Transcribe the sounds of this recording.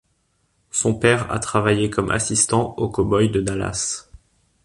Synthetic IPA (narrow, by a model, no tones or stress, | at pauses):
sɔ̃pɛʁa̰t̪χavajekɔmʔa̰sist̪ɑ̃okɔbɔjd̪əd̪ala̰s